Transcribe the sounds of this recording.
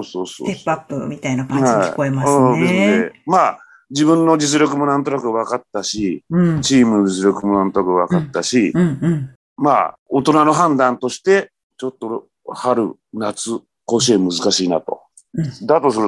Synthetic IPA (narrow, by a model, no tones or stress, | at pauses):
osoːso̰t̪epːapːɯ̰mʲit̪ainakãhaḭkoemad̪esnd̪ema | d͡ʑibɯ̟̃nːo̞d͡ʑit͡sɨɾʲo̞kɯ̟mo̞nãnt̪o̞nakɯ̟βakat̪ːaɕit͡ɕiːmɯ̟nod͡ʑit͡sɨɾʲo̞kɯ̟mo̞nãnt̪onakɯ̟βakat̪ːaɕi | ma̰o̞t̪o̞nano̞ɦãnd̪ãnt̪o̞ɕi̥t̪e̞ | t͡ɕo̞t̪ːo̞ | haɾɯ̟̰ | nat͡sɨ | koɕ̬emɯ̟zɨkaɕiːna̰t̪o̞̰ | d̪at̪o̞sɨɾɯ